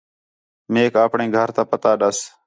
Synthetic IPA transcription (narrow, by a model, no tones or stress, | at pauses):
meːkəːpɳẽːɡʱəɾt̪ãːpət̪aːɗəs